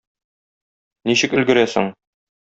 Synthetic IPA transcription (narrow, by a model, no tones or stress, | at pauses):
niɕɘkɵ̆lɡɘ̆ɾæsɘ̰ŋ